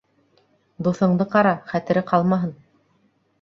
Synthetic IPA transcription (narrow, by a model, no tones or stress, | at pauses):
d̪uθɤ̆ɴd̪ɤqɑɾɑχæt̪ɘ̆ɾɘqɑlˠmɑɦɤn